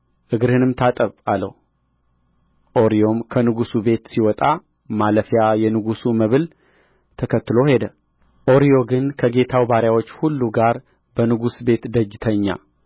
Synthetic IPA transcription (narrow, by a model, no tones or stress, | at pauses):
ʔɨɡɾhɨnɨmt̪ʰat̪ʼəβaləw | ʔo̞ɾijo̞mkʰənɨɡusube̞t̪siwɔt̪ʼa | maləfjajɛnɨɡusuməβɨl | t̪ʰəkʰət̪ːɨlo̞he̞d̪ə | ʔo̞ɾijo̞ɡɨnkʰəɡe̞t̪ʰawbaɾjawo̞t͡ʃːhulːuɡaɾ | b̥ənɨɡusbe̞t̪d̪əd͡ʒɪt̪ʰəɲːa̰